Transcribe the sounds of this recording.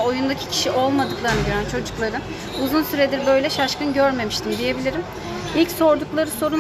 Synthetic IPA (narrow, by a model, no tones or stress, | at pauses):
o̞jund̪acʰi̥cʰi̥ʃiʔolˠmad̪ɯklˠaɾnɟøɾænt͡ʃʰo̞d͡ʒuklˠaɾɯ | uzunsyɾed̪iɾbø̞jlʲɛʃaʃkɯnɟøɾme̞miʃt̪ʰimd̪ije̞bilʲiɾim | ilʲcso̞ɾd̪uklˠaɾɯso̞ɾu